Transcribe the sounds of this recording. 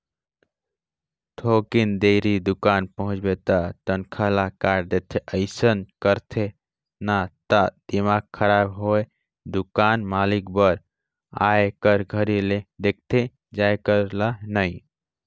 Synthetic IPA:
t̪ʰokind̪eɾid̪ukanpəɦʊ̃t͡ʃbet̪aʈənkʰalakaɾd̪et̪ʰeʔəɪsənkəɾt̪ʰe | nat̪ad̪̥imaɡ̚kʰəɾabɦoe | d̪ukanmalikbəɾ | aekəɾɡʱəɾiled̪ek̚ʰt̪ʰe | d͡ʒajkəɾlanaɪ

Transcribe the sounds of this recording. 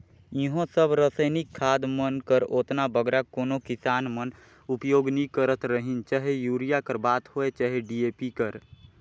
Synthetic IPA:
jɪɦõsəbɾəsəɪnɪkʰːaːd̪mənkəɾoːt̪nabəɡɾakoːnokɪsaːnmən | ʊpjoːɡnikəɾət̪ɾəɦint͡ʃaːɦejuːɾijakəɾbaːt̪hoːet͡ʃaːɦeɖieːpikəɾ

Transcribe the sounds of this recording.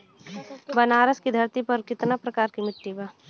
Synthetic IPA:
bɐnaːɾəskid̪ʱɐɾt̪ipɐɾkɪt̪napɾɐkaːɾkimɪt̪ːiba

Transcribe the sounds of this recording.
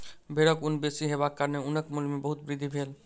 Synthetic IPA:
bʱeɽəkʊnbesiɦebakːəɾneʊnəkmulmebəɦut̪bɾɪd̪ʱibʱeːl

